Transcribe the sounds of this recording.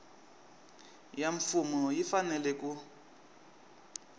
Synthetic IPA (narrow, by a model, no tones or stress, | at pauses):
jaɱfumɔjifanɛlɛkʼu